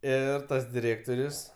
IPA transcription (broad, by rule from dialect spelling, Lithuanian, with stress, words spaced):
ˈɪr ˈtɐs dʲɪˈrʲeːktoːrʲʊs